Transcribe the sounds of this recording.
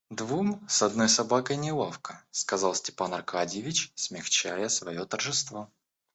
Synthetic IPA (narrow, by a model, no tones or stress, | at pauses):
d̪vumsɐd̪no̞jsɐbakəjnʲɪlˠafkə̥skɐzɑlˠsʲtʲɪ̥panɐrkadʲjɪvʲɪt͡ɕsʲmʲɪxt͡ɕæjəsvɐjot̪ərʐɨst̪vo